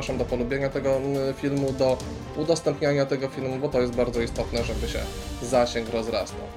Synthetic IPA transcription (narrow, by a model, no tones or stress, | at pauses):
ʂamd̪ɔpɔlubʲjeɲat̪ɛɡɔfʲilmud̪ɔ | ud̪ɔst̪ɛmpɲaɲat̪ɛɡɔfʲilmubɔt̪ɔjɛst̪̚baɾd̪zɔist̪ɔt̪nɛʐɛbɘɕɛ̰ | zaɕɛŋkɾɔzɾa̰st̪a̰w